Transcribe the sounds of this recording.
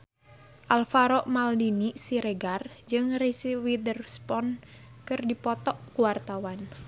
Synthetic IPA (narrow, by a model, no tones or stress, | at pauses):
ʔalfaɾɔʔmaldinisiɾeɡard͡ʒɨŋrisiwidərspɔnkɨrdipɔt̪ɔʔkuwart̪awan